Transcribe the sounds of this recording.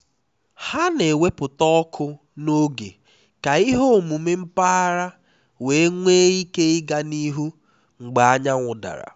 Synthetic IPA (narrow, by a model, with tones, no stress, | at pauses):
ha˦ne˨we˦pʊ˨tɔ˦kʰʊ˦ | no˦ɡḛ˨ | ka˨i˦ɦo˦˨mu˨me˦m̩˦pa˦ɾa˦ | we˨e˦ŋʷe˦i˦ke˦i˦ɡa˦ni˦ɦu˦ | ŋ͡m̩˨ɡ͡ba˨a˦ɲa˦ŋʷʊ˨da̰˨ɾa̰˨